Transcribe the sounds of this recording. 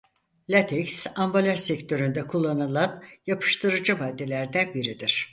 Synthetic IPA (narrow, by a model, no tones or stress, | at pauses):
lʲat̪ʰeksambolʲæʃsɛct̪ʰø̞ɾynd̪ɛkʰulˠːanɯlˠanjapʰɯ̥ʃt̪ʰɯɾɯd͡ʒɯvaːd̪ːelʲæɾd̪ænbiɾid̪iɾ̥